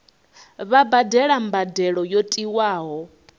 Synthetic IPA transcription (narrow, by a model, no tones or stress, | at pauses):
βabadɛɺambadɛɺɔjotʼiwaːɦɔ